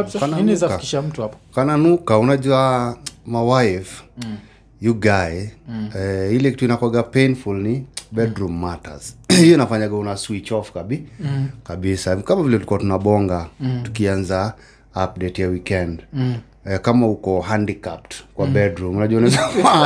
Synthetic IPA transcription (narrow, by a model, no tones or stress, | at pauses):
kanankkiʃam̩tuapkananukaunaʄuamawajv | juɡaɛɛilɛki̥tuinakwɛɡapejnfulnibɛdɾumːata̰z̥hijɔinafaɲaɡɛunaswit͡ʃɔfkaɓikaɓisakamavilɛuikuatunaɓɔŋɡatu̥kianzaː | p̚dɛtjawikɛnd | ɛkamahukɔhandikap̚tkwabɛdɾumunaʄuwaunafa